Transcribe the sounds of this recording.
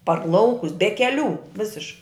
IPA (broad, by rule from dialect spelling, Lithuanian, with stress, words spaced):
pɐr ˈlˠɐʊkʊs bʲɛ kʲɛˈlʲuː ˈʋʲɪsʲɪʃ